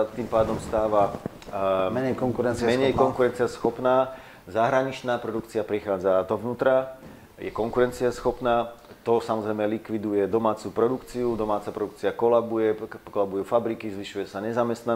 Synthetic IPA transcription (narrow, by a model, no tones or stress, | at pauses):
at̪iːmpaːd̪ɔmst̪aːʋa | mɛɲɛjkɔŋkuɾɛnt͡smɛɲɛjkɔŋkuɾɛnt͡siɪasxɔpnaː | zaɦɾaɲit͡ʃnaːpɾɔd̪ukt͡siapɾixaːd͡zad̪ɔʋnuːt̪ɾa | jɛ̰kɔŋkuɾɛnt͡siasxɔpnaːt̪ɔsamɔzɾɛjmɛlikʋid̪ujɛd̪ɔmaːt͡supɾɔd̪ukt͡siud̪ɔmaːt͡sapɾɔd̪ukt͡siakɔlabujɛkɔlabujufabɾikizʋiʃujɛsaɲɛzamɛst̪na